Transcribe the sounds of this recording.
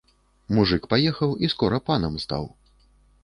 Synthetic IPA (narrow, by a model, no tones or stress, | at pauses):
muʐɨkpajɛxɐwiskɔɾɐpanɐmst̪a̰w